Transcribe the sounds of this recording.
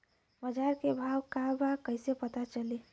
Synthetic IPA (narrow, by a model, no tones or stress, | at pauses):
məd͡ʒaɾkebʱawkabakəɪsepət̪at͡ʃəli